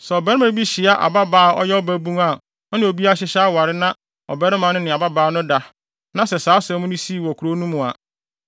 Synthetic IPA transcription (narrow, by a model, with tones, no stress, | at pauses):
sɛ˨ɔ˨bɛ˦ɾɪ˦mã˦bi˦ɕi˨a˦ʔa̰˨ba˦baː˨˦ɔ̰˦jɛ˦ɔ˦bæ˦bũ˦ŋa˨ | ɔ˦nɪ̃˨o˨bi˦a˦ɕɪ˦ɕa˦wa˨ɾɪ˦nã˦ | ɔ̰˨bɛ˦ɾɪ̃˦mã˨˦nʊ̃˦nɪ̃˨a˨ba˦baː˨˦nʊ̃˦da˨ | nã˦sɛ˨saː˨˦sɛ̃˦mʊ̃˦nʊ̃˦si˦˨wɔ˨kʰu˨ɾo˦nũ˦mʊ̃˨a̰˨